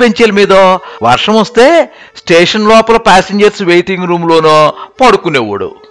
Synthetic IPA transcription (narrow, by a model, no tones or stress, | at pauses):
peɲt͡ʃeːlɐmiːd̪oʋɐ̰ɾʂɐmost̪e̞ː | sʈeːʂɐnlɔːpɐlɐpaːseɲd͡ʒɐɾsʋejʈiŋɡɾuːmloːnoːpɐɽukuneːʋɐ̰ɽṵ